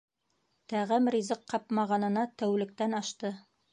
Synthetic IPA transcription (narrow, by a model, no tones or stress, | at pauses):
t̪æʁæmrʲizɤqːɑpmɑʁɑnɤ̆nɑt̪æwlɘ̆k̚t̪ænɑʃt̪ɤ